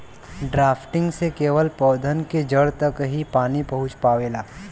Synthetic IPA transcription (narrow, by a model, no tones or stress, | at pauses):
ɖɾaːpʰʈɪ̃ŋɡsekeːʋəlpɔːd̪ʱənked͡ʒəɽt̪ɐkɦipaːnipɐɦʊ̃t͡ʃpaːʋeːlaː